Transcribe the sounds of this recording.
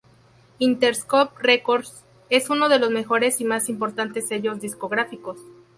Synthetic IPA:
int̪e̞ɾskop̚rekoɾs | e̞suno̞ð̞e̞lo̞zme̞xo̞ɾe̞simasimpo̞ɾt̪ant̪e̞sːe̞ʝo̞zðisko̞ɣɾafiko̞s

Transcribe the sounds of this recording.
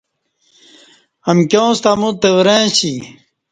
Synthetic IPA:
ɐmkjõːst̪amut̪ewɾẽːɕi

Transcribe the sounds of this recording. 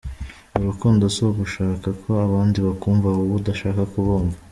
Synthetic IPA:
uɾukuːndosoβuʃaːkakʰo̞aβaːndiβakuːɱvauβudaʃaːkakuβoːɱva

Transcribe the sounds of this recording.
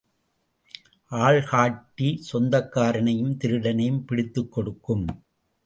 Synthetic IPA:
ʔaːɭɣaːʈːisɔnd̪ɐkːaːɾɐnɐjɯmt̪ɪɾɯɽɐnɐjɯmpɪɽɪt̪ːɯkːɔɽɯkːɯm

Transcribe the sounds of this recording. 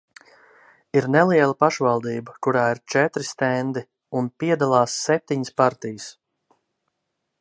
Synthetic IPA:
iɾnɛlˠiɛlˠəpaʃvalˠd̪iːbəkuɾaːiɾt͡ʃɛt̪ɾist̪ɛnd̪i | unpiɛd̪alˠɑːsːɛp̚t̪iɲəspaɾt̪ijəs

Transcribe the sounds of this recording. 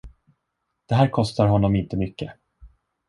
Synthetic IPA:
d̪̥ɛɦæːɾkʰɔst̪aɾɦɔnːɔmɪnt̪əmʏkːə

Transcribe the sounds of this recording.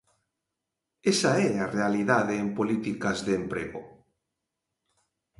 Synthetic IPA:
esaɛarealiðaðeːmpolit̪ikazðeːmpɾḛɣo̰

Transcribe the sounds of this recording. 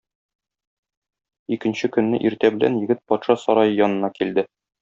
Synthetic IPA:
ikɘ̆nɕɘkɵ̆nːɘʔiɾt̪æbɘ̆læ̰njɘ̆ɡɘt̪̚pɒt̪ʃɑsɒɾɑjɤjɒnɤ̆nɑkild̪ɘ

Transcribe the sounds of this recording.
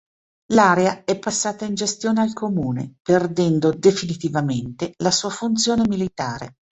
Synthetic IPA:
laɾeaɛpːasːaːt̪aind͡ʒest̪joːnealkomuːnḛperd̪ɛnd̪od̪efinit̪ivament̪elasuːafunt̪sjoːnemilit̪aːɾḛ

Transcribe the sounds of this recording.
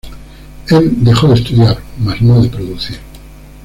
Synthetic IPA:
eld̪exoðest̪uðjaɾmaznoðepɾoðuθiɾ

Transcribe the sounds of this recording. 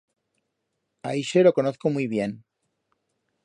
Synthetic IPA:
a̰iʃelo̞ko̞noθkomujβ̞je̞n

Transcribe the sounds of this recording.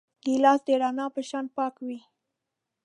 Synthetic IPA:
d̪elɑsd̪əɽɑnɑpəʃɑnpɑkwi

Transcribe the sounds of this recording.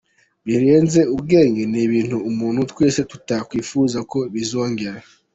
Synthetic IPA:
βiɾe̞ːnze̞ubɡe̞ːŋɡeniβiːn̥huːmuːnhutwe̞ːse̞tu̥takwiːfuzako̞βizo̞ːŋɡe̞ɾa

